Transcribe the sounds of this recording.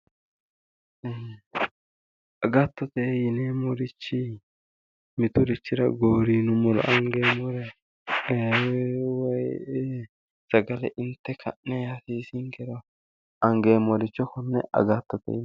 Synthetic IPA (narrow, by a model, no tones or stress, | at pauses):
ɐɡaːt̪ːɔt̪ɛjɪnemɔɾɪt͡ʃːɪ | mɪt̪ʊɾɪt͡ʃːɪɾɐɡoːɾiːnʊmɔlɔ̰ʔɐŋɡeːmɔɾɛ | wɔj | sɐɡɐlɛʔɪnt̪ːɛkʰɐ̰ʔnɛjasiːsɪŋkɛɾɔ | ɐŋɡeːmɔɾɪt͡ʃːɔkɔnːɛʔɐ̰ɡaːt̪ːɔt̪ɛ̰ɪ